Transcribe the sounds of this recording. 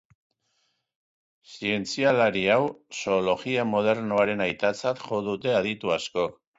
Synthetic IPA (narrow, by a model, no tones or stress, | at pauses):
sie̞nt͡sialaɾiawso̞ːlo̞ɣiamo̞ð̞e̞ɾnoaɾe̞najt̪at͡sat̪ʝo̞ðut̪e̞að̞it̪uasko̞k